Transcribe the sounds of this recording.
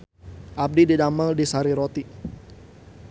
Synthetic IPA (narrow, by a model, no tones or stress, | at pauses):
ʔab̚dididaməldisaɾiɾot̪i